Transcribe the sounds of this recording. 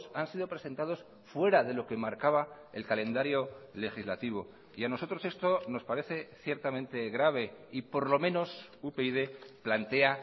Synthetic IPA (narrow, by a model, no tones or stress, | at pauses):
sansiðo̞pɾe̞se̞nt̪að̞o̞s | fwe̞ɾaðe̞lo̞ke̞maɾkaβ̞a | elkalẽ̞nd̪aɾjo̞le̞xizlat̪iβ̞o̞ | iano̞so̞t̪ɾo̞se̞st̪ono̞spaɾe̞θe̞θje̞ɾt̪amẽ̞nt̪e̞ɣɾaβ̞e̞ipo̞ɾlo̞mẽ̞no̞supeiðeplant̪e̞a